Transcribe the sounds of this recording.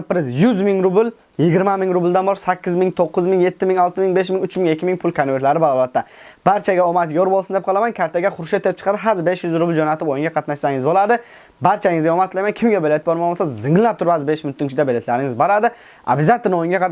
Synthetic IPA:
pɾɪzjʊzmɪŋɾʊbɪl | jɪɡʲɪɾmamɪŋɾʊbɪld̪anbɒɾsakʲːɪzmɪŋt̪ʰoqːʊzmɪŋje̞t̪ːɪmɪŋɒlˠt̪ʰɪmɪŋbe̞ʃmɪŋʲʊt͡ʃmɪŋekʲːɪmɪŋpʰʊlˠkʰanveɾlaɾɪbalˠɒbat̪ʰːab̥aɾt͡ʃʰaɡʲaomat̪joɾbolˠsɪnd̪ep̚qʰɑlˠamankʲʰaɾt̪ʰaɡʲaχʊɾʃat̪ʰːeɪp̚t͡ʃʰqʰɑd̪ɪɦazbe̞ʃjʊzɾʊbɪld͡ʒonat̪ʰɪpojɪŋɡʲaqʰɑt̪naʃsaŋɪzbolˠad̪ɪ | baɾt͡ʃʰaŋɪzɡʲaomat̪ʰlˠajmankʲʰɪmɡʲabelet̪ɪbɒɾmamosazɪŋɪlɪnap̚t̪ʰʊɾpazbeʃmɪʊnt̪ʰːɪnkʲt͡ʃʰɪd̪abele̞t̪laɾɪŋʲɪzboɾad̪ɪ | a̰bɪzat̪ʰːɪnojɪŋɡʲaq̪

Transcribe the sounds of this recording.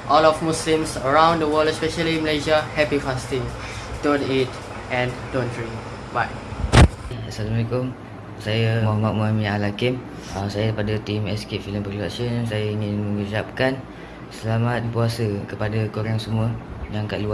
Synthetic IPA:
ʔɔlɔfmuslĩmsəɹãw̃ndəwɔlɛspɛʃəliməleʃiahɛpifastĩŋ | d̥õnit̚ | ɛ̃ndõndɹĩŋ | baj | asalamalekʊm | sajamɔmaʔ̚muamĩalakim | əsajəpadat̪imɛsket̪̚filəmpərɾda̰sənnsajaiŋɪnmə̃ŋisap̚kan | səlamat̪̚puasəkəpadakoɾaŋsəmũəjaŋkaʔlua

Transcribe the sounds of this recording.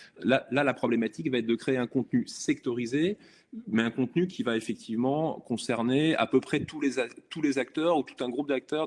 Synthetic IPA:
lalalapχɔblɛmat̪ikvaɛt̪̚d̪əkχeeɛ̃kɔ̃t̪nysɛkt̪ɔʁize | mɛɛ̃kɔ̃t̪nykʲʰivaefɛk̚t̪ʰivmɑ̃kɔ̃sɛʁnea̰pøpχɛt̪ulezat̪ulezak̚t̪œːʁut̪u̥t̪ɛ̃ɡʁup̚d̪ak̚t̪œʁ

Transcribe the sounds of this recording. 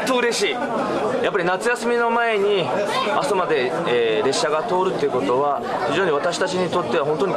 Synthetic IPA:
t̪ːoɯ̟ɾe̞ɕiː | japːaɾʲinat͡sɨjasɨmʲino̞mae̞ɲ̟iasamad̪e̞ | eːɾe̞ɕːaɡat̪o̞ːɾɯ̟t̪ːeɯ̟kot̪o̞βa | çiʑo̞ːɲ̟iβat̪aɕi̥t̪at͡ɕiɲ̟it̪o̞t̪ːe̞βaɦõ̞nt̪oɲ̟i

